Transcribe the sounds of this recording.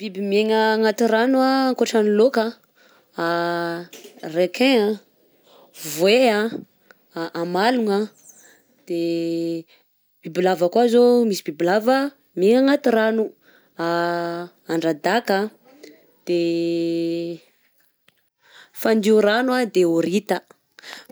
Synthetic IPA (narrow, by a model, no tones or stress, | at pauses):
b̥ibimeŋaŋat̪iɾanuaŋkoʈ͡ʂanilokə | a | rekʰẽa | vwea | ʔamaluŋa | d̪̥e | b̥ibilavakwazomisibibilavə | miŋaŋat̪iɾanu | a | aɳɖ͡ʐad̪akə | d̪̥e | fand̪iuɾanwad̪eoɾit̪ə